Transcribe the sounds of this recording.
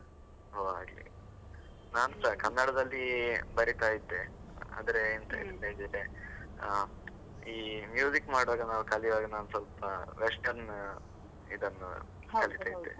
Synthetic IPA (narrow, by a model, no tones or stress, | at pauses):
ɦoːa̰ːɡlḭ | naːnusakɐnːɐɽɐd̪ɐlːibɐɾit̪aːjid̪ːea̰ːd̪ɐɾeːnt̪ʰɐḭt̪ɐled͡ʒiɾe | iːmjuːzikmaːɽʋaːɡɐnaːʋukɐliʋaːɡɐnaːnusɐlpɐʋesʈɐɾn | id̪ɐnːṵ | kkɐlit̪aːjid̪ːḛ